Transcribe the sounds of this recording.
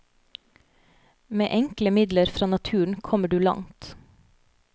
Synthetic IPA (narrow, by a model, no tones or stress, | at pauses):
mḛːʔɛŋkləmɪd̪ləɾfɾɑːnɑt̪ʰʉːɳ̩kʰɔməɖʉːlɑ̰ŋt̪